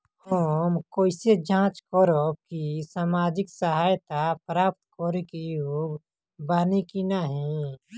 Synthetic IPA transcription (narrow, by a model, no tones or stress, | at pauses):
homkoːɪsed͡ʒãːt͡ʃkoɾob̚kisaːmaːd͡ʒɪksəɦaːjt̪apɾaːp̚t̪koːɾekijuːɡ | baːnikinaɦĩ